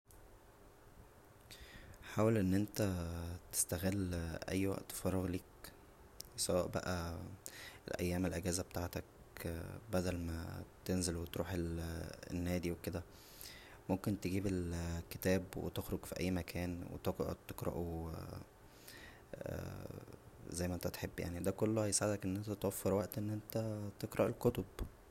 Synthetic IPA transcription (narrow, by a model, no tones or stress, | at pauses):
ħaːwelʔenːʔent̪æt̪e̥st̪æɣelːʔæ̰jːwæ̰ʔt̪ːfɑɾˤːɑɣliːk | sæwæʔbæ̰ʔæ | ʔḛlʔæjːæːmelʔæɡæːzæbet̪aʕt̪æk | bæd̪ælmæ̰t̪enzelwet̪ɾuːħelḛnːæːd̪iweked̪æ | momkent̪eɡiːbelke̥t̪æːbwḛt̪exɾoɡfiʔæ̰jːmækʰæːnwḛt̪ot̪ːeqɾɑ̰ʔo | zæjːmæʔent̪æt̪ħebːja̰ʕnid̪ækolːohæjesʕed̪ækʔenːʔent̪æt̪wæfːeɾwæʔt̪ʔenːʔent̪æt̪eqɾˤɑʔelkot̪ob